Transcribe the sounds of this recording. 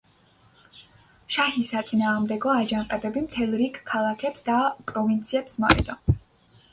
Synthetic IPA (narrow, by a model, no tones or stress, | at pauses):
ʃahisat̪sʼinaːʁmd̪ɛɡɔad͡ʒanqʼɛbɛbimt̪ʰɛlˠɾikːʰalˠakʰɛpsd̪apʼɾɔvint̪sʰiɛpsmaχḭd̪ɔ